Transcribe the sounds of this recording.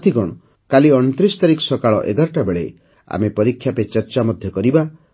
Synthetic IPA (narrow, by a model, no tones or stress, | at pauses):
t̪iɡɔɽ̃ɔ | kaliɔñɔt̪ɾisɔ̥t̪aɾikɔ̥sɔkaɭɔ̰ʔḛɡaɾɔʈabeɭe | a̰mepɔɾikʰːjapet͡ʃɔɾt͡ʃamɔd̪ʱjɔkɔɾiba